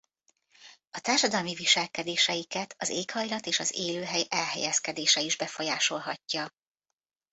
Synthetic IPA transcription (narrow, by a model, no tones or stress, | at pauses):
ɒt̪aːrʃɒd̪ɒlmiviʃɛlkɛd̪eːʃɛjikɛt̪ʰɒzeːkhɒjlɒt̪eːʃɒzeːløːɦɛjɛlɦɛ̰jɛskɛd̪eːʃɛiʒbɛfo̞jaːʃo̞lɦɒcːɒ